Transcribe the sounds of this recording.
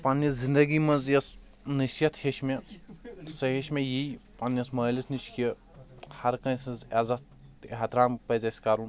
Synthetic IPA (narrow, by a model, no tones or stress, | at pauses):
pɐnːɐszind̪ɐɡimɐnzjɐs | nɐʃjɐt̪heʃme | sɐɦeʃmejipanːɐsmɐlisnit͡ʃʰkie | hɐɾkɐnsɐzɐzɐt̪ | ɦɐt̪ɾaːmpɐzɐsʲkaɾun